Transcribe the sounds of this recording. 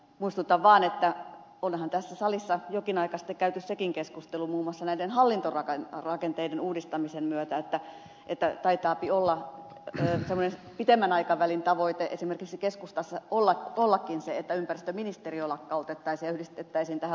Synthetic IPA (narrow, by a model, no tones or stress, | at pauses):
muist̪ut̪ːɑʋʋɑːnet̪ːæ | olhɑnt̪æsːæsɑlisːɑjokinɑikɑsi̥t̪ːekkæyt̪yssekiŋkeskust̪elumuːmːŭɑsːɑnæidenhɑlːint̪orɑkɑnrɑkent̪eidenuːdist̪ɑmisemmyøt̪æet̪ːæ | ʔet̪ːæt̪ɑit̪ɑːpiolːɑ | semːonepit̪emːænɑikɑʋælint̪ɑʋoit̪eʔesimerkiksikeskust̪ɑsːɑolːɑolːɑkːinseet̪ːæympærist̪øminist̪eriolɑkːɑot̪et̪ːɑisijɑyhdist̪et̪ːæisint̪æhæ